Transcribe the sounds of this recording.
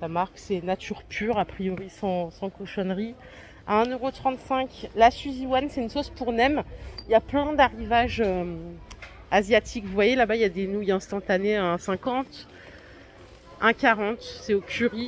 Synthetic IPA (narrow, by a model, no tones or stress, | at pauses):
samaʁksɛnat̪ʰyʁpʰyʁapχijɔʁisɑ̃sɑ̃koʃɔnʁi | aɛ̃nøʁot̪χɑ̃t̪sɛ̃klasyziwansɛynsospuʁnɛmiljaplɛ̃d̪aʁivaʒø | azjat̪ʰikvuvwajelabailjad̪enujɛ̃st̪ɑ̃t̪aneɛ̃sɛ̃kɑ̃t̪ | ɛ̃kʲaʁɑ̃t̪sɛokʲʰyʁi